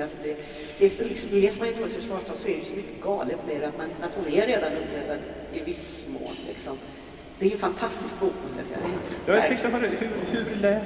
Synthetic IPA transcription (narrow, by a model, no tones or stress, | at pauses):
asɔd̪ɛ | d̪ɛlɪksɔmleːsmanɪt̪ːpːshʂvɑːʂt̪ʰɔsɔɛɾɖɛjsɔmʏkːət̪ɡɑːlət̪mɛɾat̪manat̪hʊnɛɾeːd̪anɵpːɾɛd̪ːad̪ | ɪvɪs | mo̰ːllɪ̰ksɔm | sɔd̪ɛːɾjɵfant̪ʰast̪ɪskbuːkskʰajasɛ̰jːa̰d̪ɛjhajaɛŋkt̪apɔd̪ɛhʉɾhʉɾd̪ɛ